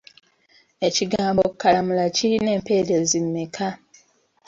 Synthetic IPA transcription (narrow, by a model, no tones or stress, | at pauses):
e̞ciɡaːmbo̞kːalamulaciɾine̞ːmpe̞ːɾe̞zimːekʰa